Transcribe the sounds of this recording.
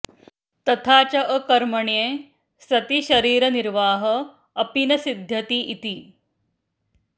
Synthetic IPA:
t̪ɐt̪ʰaːt͡ɕɐʔəkɐɾmɐɳjẽː | sɐt̪iɕɐɾiːɾɐniɾʋaːɦɐː | pinɐsid̪ʱjɐt̪iʔit̪iː

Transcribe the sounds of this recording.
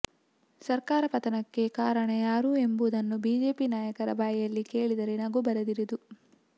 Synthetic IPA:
sɐɾkaːɾɐpɐt̪ɐnɐkːe̞kaːɾɐɳɐjaːɾue̞mbud̪ɐnːubiːd͡ʒe̞ːpinaːjɐkɐɾɐ̰baːjjɐlːike̞ːɭid̪ɐɾenaːɡubɐɾɐd̪iɾid̪u

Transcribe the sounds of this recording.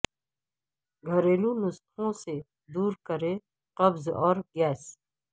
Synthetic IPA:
ɡʱɐɾeːlũnʊstʰõse | d̪uːɾkəɾe | qɐbzɔːɾɡɛːs

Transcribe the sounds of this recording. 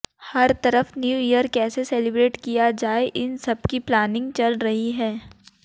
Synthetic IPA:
hɐɾt̪ɐɾəfnjuːijəɾkɛːseseːlɪbɾeːʈkijad͡ʒaːeʔɪnsɐbkiplaːnɪ̃ŋɡ̚t͡ʃɐlɾɐɦiɦɛː

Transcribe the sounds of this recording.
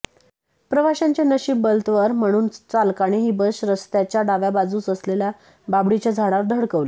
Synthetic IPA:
pɾəʋaɕãɲt͡ɕjanəɕiːbəlt̪ʋəɾm̤əɽ̃uːnt͡salkaɽ̃iɦiːbəɕɾəst̪jat͡ɕjaɖaʋjabad͡zuːt͡səslelja | babɽit͡ɕjad͡zʱaɽaɾd̪ʱəɽkəʋli

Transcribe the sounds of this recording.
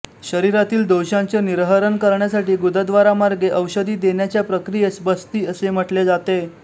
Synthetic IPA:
ɕəɾiɾat̪iːld̪owɕãnt͡seniɾɦəɾənkəɾɳjasaʈiːɡud̪ʱəd̪ʋaɾamaɾɡeʔəwɕəd̪iːd̪eɳjat͡ɕjapɾəkɾijesbəst̪iːəsem̤əʈled͡zat̪e

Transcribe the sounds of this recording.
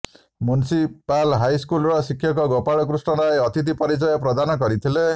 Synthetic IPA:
munsipalɦajskulɾɔsikʰjɔkɔɡɔpaɽɔk̬ɾusɳɔɾajɔt̪ʰit̪̬ipɔɾit͡ʃɔjɔpɾɔd̪anɔkɔɾit̪ʰile

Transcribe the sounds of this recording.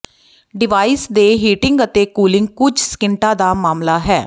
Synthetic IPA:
ɖɪʋaːiːsd̪eːɦiːʈɪŋɡət̪eːkuːlɪŋɡ̚kʊd͡ʒskɪɳʈãːd̪aːmaːmlaːɦɛː

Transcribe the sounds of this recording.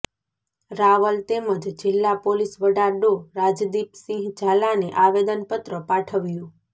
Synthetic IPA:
ɾaʋəlt̪eməd͡ʒd͡ʒɪlːapolisʋəɖaɖoɾad͡ʒd̪ipsĩɦd͡ʒʱalaneʔaʋed̪ənpət̪ɾəpaʈʰəʋjũ

